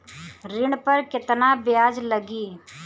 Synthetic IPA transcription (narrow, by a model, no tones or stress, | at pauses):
ɾɪɳpəɾkɪt̪nabɪjaːd͡ʒləɡiː